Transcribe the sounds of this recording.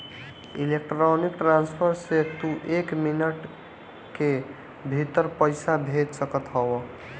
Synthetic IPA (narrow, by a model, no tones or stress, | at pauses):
ḭlek̚ʈɾonik̚ʈɾanspʰəɾsekt̪uʔekminəʈ | ke | bʱit̪əɾpəjsabʱet̪səkət̪ɦəw